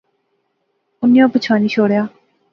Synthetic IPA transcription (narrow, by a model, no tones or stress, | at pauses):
ʊnːijõːpət͡ʃʰaːniːʃoːɽjaː